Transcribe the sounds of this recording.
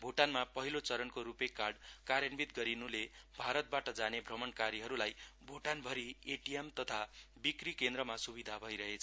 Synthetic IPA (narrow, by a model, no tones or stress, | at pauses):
bʱoʈanmapʌɦilot͡sʌɾʌnkoɾupekːarɖkaɾjʌnbit̪ɡʌɾinulebʱaɾʌt̪̚baʈʌd͡zanebʱrʌmʌnkaɾiɦʌɾulajbʱoʈanbʱʌɾieʈijemt̪ʌt̪ʰabikrikend̪ɾʌmasubid̪ʱabʱʌiɾʌɦet͡sʰ